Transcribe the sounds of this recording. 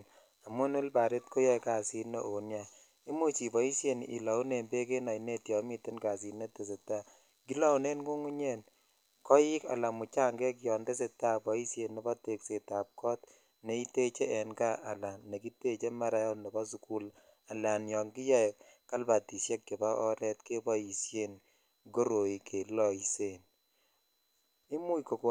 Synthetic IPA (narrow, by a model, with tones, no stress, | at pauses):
n | a˨mu˦nu˦lba˨ɾe˦t̚ko˦jɛ˦ka˨si˦ne˦o˨nja˦ | i˦mu˦t͡ʃi˨bɔ˨˦i˦sje˨n˨i˨la˨u˦ne˨mbe˦ke˦na˨i˨ne˦tjɔ˨mi˦te˦nka˨si˨ne˦te˨s̬e˨ta˦ | ki˦lɔ˦u˨ne˦nku˦ŋu˦ɲe˦n | kɔ˦ji˦ka̰˨la˨mu˨t͡ʃa˦ŋɡɛ˦kjɔ˨nde˦s̬e˨ta˦bɔ˨i˦sje˨nːɛ˨˦bɔ˦te˨kse˨ta˨p̚kɔ˦t̚ | ne˨˦i˦te˦t͡ʃe˦ɛ˨nɡa˦ʔa˨la˨nːe˨ki˦te˦t͡ʃe˦ma˦ɾa˦jɔ˦nɛ˨bɔ˦su˦ku˦l | a˨la˨njɔ˨ŋɡɪ˦jɛ˦ɛ˨k | kːa˦lba˨ti˨sjɛ˦kːe˨ba˦ʔɔ˦ɾɛ˦tke˦bɔ˦i˨sje˦˨n | ɡo˦ɾo˨i˨kʰe˨lɔ˨i˨se˨n | i˦mu˦iko˨ko˨